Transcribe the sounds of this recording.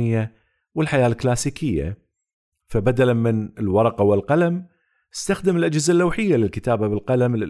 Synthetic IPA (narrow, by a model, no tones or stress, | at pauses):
ɪjːa | wɪlħajaːlklaːsiːkʰɪjːa̰ | fabad̪alamɪnɪlwɑɾˤɑqɑwɪlqɑlam | ʔɪst̪axd̪ɪmɪlʔad͡ʒhɪzalːawħɪjːalɪlkɪt̪aːbabɪlqɑlamlɪ